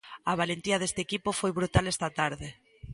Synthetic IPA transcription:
aβalent̪iɐð̞est̪ekipʊfojβɾut̪alest̪at̪aɾðe

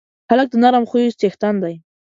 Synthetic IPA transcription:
halak̚t̪anaɾamχʊjʊst͡ʃ̪ext̪and̪aj

